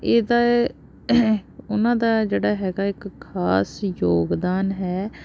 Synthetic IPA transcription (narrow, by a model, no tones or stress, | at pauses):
eːd̪aː | ʊnãːd̪aːd͡ʒeːɽaːɦɛːɡaːɪkʰːaːsjoːɡd̪aːnɦɛː